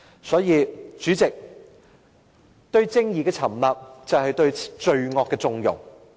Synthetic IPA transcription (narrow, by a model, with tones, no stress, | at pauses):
sɔː˨˥jiː˨˧t͡ʃyː˨˥t͡sɪ˨k̚ | t̪ɵ˧ɥt͡sɪ˥ŋjiː˨˩kɛː˧t͡sʰɐ˨˩mlaː˨p̚t͡sɐ˨whɐ˨jt̪ɵ˧ɥt͡ʃɵ˧ɥŋɔː˨˧kːɛː˧t͡sʊ˧ŋjʊ̰˨˩ŋ